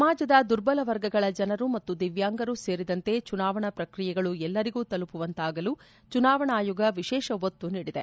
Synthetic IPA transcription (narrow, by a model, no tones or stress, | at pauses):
sɐmaːd͡ʒɐd̪ɐd̪uɾbɐlɐʋɐɾɡɐɡɐɭɐd͡ʒɐnɐɾumɐt̪ːud̪iʋjaːŋɡɐɾuse̞ːɾid̪ɐnt̪e̞t͡ʃunaːʋɐɳɐpɾɐkɾijɛɡɐɭuɛlːɐɾiɡuːt̪ɐlupuʋɐnt̪aːɡɐlu | t͡ʃunaːʋɐɳaːjuɡɐʋiʃɛːʃɐʋot̪ːuniːɽid̪e